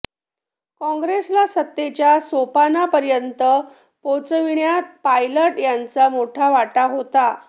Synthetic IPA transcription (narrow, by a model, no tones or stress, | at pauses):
kɔ̃ŋɡɾeslasət̪ːet͡ɕjasopanapəɾjənt̪ə | pot͡sʋiɳjat̪̚pajləʈjant͡samoʈʰaʋaʈaɦot̪a